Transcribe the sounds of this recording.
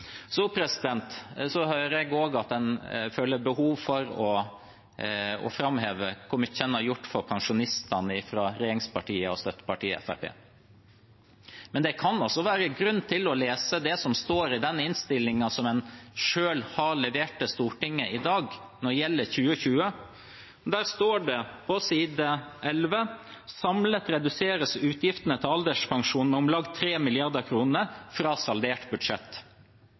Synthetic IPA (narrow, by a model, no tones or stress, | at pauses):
supʰɾɛsɪd̪ɛnt̪sɔhœːɾɛɡoːɡɑt̪̚d̪ɛnføːləɾbəhuːʋfɔɾɔ | ɔ̰fɾɑmheːʋəkʰɔməçɛnːɑjʊʈːfɔɾpʰɑŋʂʊnɪst̪ɑnəɪfɾɑɾeːɾɪŋspɑʈiːəɔst̪œt̪ːə̥pɑʈiːɛ̰fæ̰ɾpḛː | mɛnd̪ɛkʰɑnɔsːɔʋæːɾəɡɾʉnːt̪ʰɪlɔleːsəd̪ɛsɔmst̪oːɾɪd̪ɛnːɪnst̪ɪlːɪŋɑsɔmɛnʂøːlhɑlɛʋeːʈəst̪uːʈɪŋːəʔɪd̪ɑːɡ | nɔɖjɛlːəɾçʉːəçʉːə | d̪æːɾst̪oːɖɛpʰɔsiːd̪əʔɛlʋəsɑmlət̪ɾɛd̪ʉseːɾəsʉːt̪ʰjɪft̪ənət̪ʰɪlɑld̪ɛʂpʰɑŋʂuːnn̩ʊmlɑɡt̪ʰːɾeːmɪlɪɑɾd̪əkʰɾuːnəɾfɾɑːsɑldeːʈbʉd̪ʂɛt̪ː